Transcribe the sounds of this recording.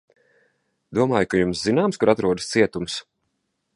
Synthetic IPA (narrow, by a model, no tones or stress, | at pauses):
d̪̥uɔmaːjkajumszinaːmskuɾat̪ɾuɔd̪ə̥st̪siɛt̪ums